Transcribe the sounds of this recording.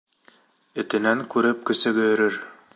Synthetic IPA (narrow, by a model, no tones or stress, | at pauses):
ɘ̆t̪ɘ̆næŋkʉɾɘp̚kɵ̆sɘ̆ɡɵ̆jɵ̆ɾɘɾ